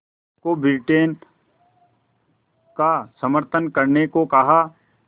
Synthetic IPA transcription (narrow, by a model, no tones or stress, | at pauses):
kobɪlʈeːn | kasəməɾt̪ʰənkɐɾnekokɐɦa